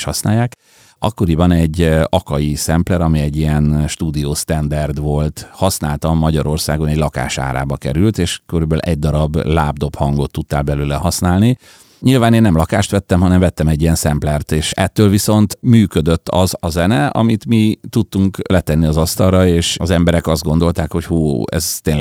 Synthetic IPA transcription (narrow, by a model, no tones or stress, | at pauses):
ʃhɒsna̰ːjaːk | ɒkːo̞ɾibɒnɛɟːɒkɒjisɛmplɛɾɒmiɛɟːiɛnʃt̪uːd̪ijoːst̪ɛnd̪ɛrd̪ʋo̞lt̪hɒsnaːlt̪ɒmːɒɟɒɾo̞rsaːɡo̞nɛɟlɒka̰ːʃa̰ːɾa̰ːbɒkɛ̰ɾylt̪eːʃkøɾybɛlʔɛ̰ɟ̚d̪ɒɾɒblaːb̚d̪o̞phɒŋɡo̞t̪ːut̪ːaːlbɛløːlɛhɒsnaːlni | ɲilvaːneːnːɛmlɒkaːʃt̪ʋɛt̪ːɛmɦɒnɛɱvɛt̪ːɛmɛɟːiɛnsɛmplɛrt̪eːʃɛt̪ːøːlviso̞nt̪myːkød̪øt̪ːɒ̰zɒzɛnɛɒ̰mit̪mit̪ut̪ːuŋklɛt̪ɛnːiɒzɒst̪ɒrrɒeːʃɒzɛmbɛɾɛkɒzd̪ɡo̞n̪d̪o̞lt̪aːkho̞chuːɛ̰zt̪eːn